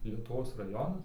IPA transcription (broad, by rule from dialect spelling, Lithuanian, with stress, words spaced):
lʲiɛtʊˈʋoːs rɐˈjoːnɐs